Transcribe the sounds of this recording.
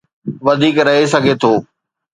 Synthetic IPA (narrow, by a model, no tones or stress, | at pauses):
ʋɐd̪ʱiːkɾɐɦes̬ɐɡʱet̪ʰoː